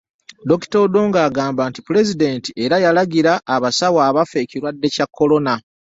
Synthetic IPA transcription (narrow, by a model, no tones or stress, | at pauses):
do̞ki̥to̞ːdo̞ːŋɡaːɡaːmbaːntipuɾe̞zide̞ntie̞ɾajalaɡiɾaʔːβasawaːβafe̞ːciɾwadːe̞cakːo̞lo̞na